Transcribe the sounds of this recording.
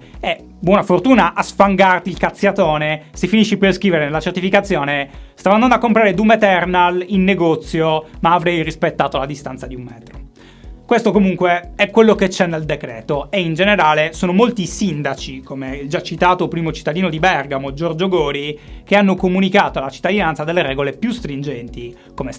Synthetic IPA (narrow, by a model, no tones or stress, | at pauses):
ɛ | bwɔːnafort̪uːnaʔasfaŋɡart̪ilkat̪sːjat̪ɔːnesefiniʃːiperskɾiːveɾenelːat͡ʃert̪ifikat̪sːjɔːnest̪avand̪and̪akːompɾaːɾed̪umet̪ɛrnalinːeɡɔt̪sːjomaːvɾɛjrispet̪ːaːt̪olad̪ist̪a̰nt̪sad̪iummɛːt̪ɾo | kwest̪okomuŋkweɛkwelːoket͡ʃːɛnːeld̪ekɾɛ̰ːt̪oeind͡ʒeneɾaːlesoːnomolt̪isind̪at͡ʃikʰomed͡ʒat͡ʃːit̪aːt̪opɾiːmot͡ʃit̪ːad̪iːnod̪ibɛrɡamod͡ʒɔrd͡ʒoɡoːɾikeanːokomunikaːt̪oalat͡ʃit̪ːad̪inansad̪elːeɾɛːɡolepjust̪ɾind͡ʒɛnt̪i | komes